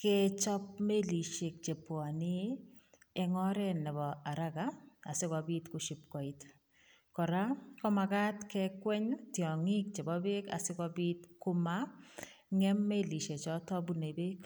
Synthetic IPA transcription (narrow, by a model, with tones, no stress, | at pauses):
ke˦t͡ʃɔ˦p̚me˦li˨ʃe˨k̚t͡ʃe˨pɔ˨nɪ˦ | ɛ˨ŋɔ˦ɾɛ˦nɛ˨bɔ˨a˨ɾa˦ka˦a˨sɪ˦kɔ˨bi˦tkʊ˨ʃi˨p̚kɔ˨i˨t | kɔ˨ɾa˦kɔ˦ma˨ka˦tkɛkwɛ˦ɲtjɔ˨ŋɪ˦k̚t͡ʃe˨bɔ˦be˦ka̰˨sɪ˦kɔ˦bi˦tkʊ˦ma˦ | ŋɛ˦mːe˦li˨ʃe˨t͡ʃɔ˨tɔ˦bu˦ne˨be˦k